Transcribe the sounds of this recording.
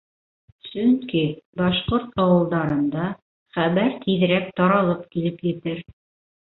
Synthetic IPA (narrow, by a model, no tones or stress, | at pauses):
sɵŋkibɑʃqoɾt̪ɑwɤ̆lˠd̪ɑɾɤ̆nd̪ɑ | χæβæɾt̪ʰið̆ɾæk̚t̪ɑɾɑlˠɤpkilɘpjɘ̆t̪ɘɾ